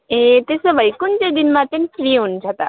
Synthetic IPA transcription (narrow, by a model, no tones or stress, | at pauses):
ẽt̪esəʋəjkunt͡ɕed̪inmãt̪enfɾiɦund͡ʒʱat̪a̰